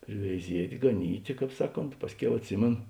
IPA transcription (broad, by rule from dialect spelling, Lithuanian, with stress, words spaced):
pʲrʲɪʋʲɛɪˈzʲiɛtʲ ɡɐˈnʲiːtʲeː ˈkɑːp ˈsɑːˌkoːnt ˈpɑːsʲˌkʲɛʊ ɐtʲˈsʲɪmʲeːnoː